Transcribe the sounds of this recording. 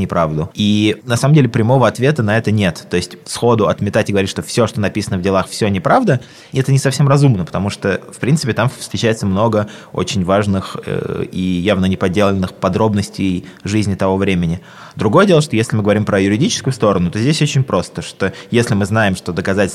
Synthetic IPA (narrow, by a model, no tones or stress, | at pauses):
nʲɪpɾavd̪ʊinɐsaməmdʲelʲɪpɾʲɪmo̞vəɐt̪vʲe̞t̪ənɐɛt̪ənʲe̞t̪ːo̞ɪsʲtʲfsxo̞d̪ʊɐt̪mʲɪt̪atʲɪɡəvɐɾit̚ʲʂt̪ofsʲo̞ʂt̪o̞nɐpʲisənəvdʲɪlˠaxfsʲonʲɪpɾavd̪ə | ɛt̪ənʲɪsɐfsʲemrɐzumnəpə̥t̪ɐmuʂt̪əfpɾʲint̪ɨpʲɪt̪amfst̪ɾʲɪt͡ɕæjɪt̪səmno̞ɡəo̞̰t͡ɕɪnʲvaʐnɨxə̰ijavnənʲɪpɐdʲːelˠɪnːɨxpɐd̪ɾo̞bnəsʲtʲɪjʐɨzʲnʲɪt̪ɐvo̞vɾʲemʲɪnʲɪ | d̪ɾʊɡo̞jədʲelˠəʂt̪o̞jesʲlʲɪmɨɡəvɐɾʲimpɾəjʊɾʲɪdʲit͡ɕɪ̥skʊjʊst̪o̞ɾənʊt̪o̞zʲdʲesʲot͡ɕɪnʲpɾo̞st̪əʂt̪o̞jesʲlʲɪmɨznajɪmʂt̪o̞d̪əkɐzatʲɪlʲ